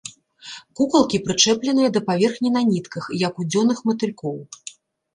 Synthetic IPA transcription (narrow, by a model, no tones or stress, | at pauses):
kukɐlˠkʲipɾɨt͡ʂɛplʲɛnɨjɐd̪ɐpavʲɛrxnʲinanʲit̪kɐxjɐkud͡zʲɔnɨxmɐt̪ɨlʲkɔw